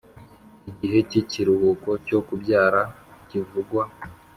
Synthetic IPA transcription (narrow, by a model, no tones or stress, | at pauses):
iɟiɦe̞ciciɾuhuːko̞co̞kubɟaːɾa | civuɡwa